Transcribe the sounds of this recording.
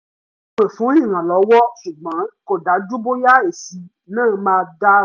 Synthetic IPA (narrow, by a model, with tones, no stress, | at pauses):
k͡pe˨fũ˨˦i˦˨ɾ̃ã˨lɔ˨˦wɔ˦ʃu˨ɡ͡bã˨˦ko˦˨da˨˦d͡ʒu˦bo˦ja˦e˨si˧˦ | nãː˦˨mãː˧da˦